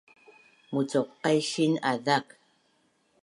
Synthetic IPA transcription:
mut͡soqːejʃinaðak

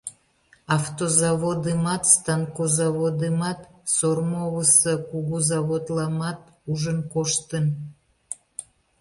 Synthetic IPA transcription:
ɑft̪ozɑβod̪emɑt̪st̪ɑnkozɑβod̪emɑt̪sormoβəsəkuɣuzɑβot̪lɑmɑt̪̚ | uʒənkoʃt̪ən

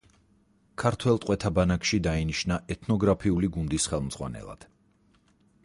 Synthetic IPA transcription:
kʰaɾt̪ʰwɛlˠt̪ʼqʼwɛt̪ʰabanakʃid̪ainiʃnaʔɛt̪ʰnɔɡɾapʰiuliɡund̪isχɛlˠmz̥ʁwa̰nɛ̰lˠa̰d̪̥

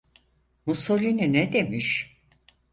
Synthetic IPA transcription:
musolʲininɛd̪emiʃ

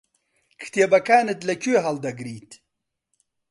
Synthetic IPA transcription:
kʰt̪jebɐkaːnet̪lɐkuɦɐld̪ɐɡɾiːt̪

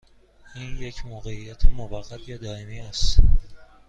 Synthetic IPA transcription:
iːnje̞cʰmoːɣe̞ijæt̪ʰemovæɣːæt̪ʰjɒːd̪ɒːemiːæst̪

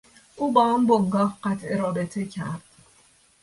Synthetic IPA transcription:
ʔuːbɒːamboŋɡɒːhɢæt̪ʰʔeɾɒːbe̞t̪ʰecʰæ̰ɾd̪̥̚

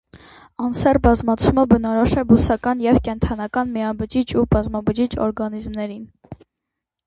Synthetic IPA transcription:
ɑnsɛrbɑzmɑt͡sʰuməbənɑɾɔʃɛbusɑkɑnjɛvkɛnt̪ʰɑnɑkɑnmiɑbəd͡ʒit͡ʃʰubɑzmɑbəd͡ʒit͡ʃʰɔ̰ɾɡɑnizmnɛɾin

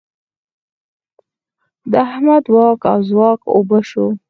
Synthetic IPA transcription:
d̪əahmad̪wɑka̰wzwɑko̰bəʃo

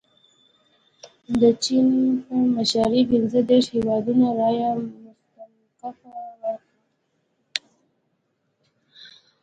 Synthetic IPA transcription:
d̪ət͡ʃinpəmaʃɑɾibinzəd̪eʃhewɑd̪unaɾɑjamʊst̪am | kafawa

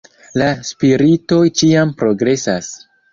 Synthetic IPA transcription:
laspiɾito̞jt͡ʃiampɾo̞ɡɾe̞sas

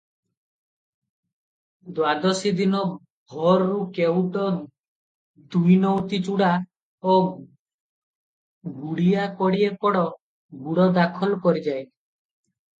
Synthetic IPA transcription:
d̪wad̪ɔsid̪inɔ | ɡʱɔɾɔɾukewʈɔ | d̪ujnɔwt̪it͡ʃuɽa | o | ɡuɽiakɔɽiepɔɽɔ | ɡuɽɔd̪akʰɔlkɔɾid͡ʒaj

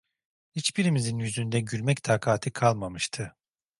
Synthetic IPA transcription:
hit͡ʃbiɾimizinjyzynd̪ɛɟylʲmɛct̪ʰaːkʰaːt̪ʰɯkʰalˠmamɯʃt̪ʰɯ

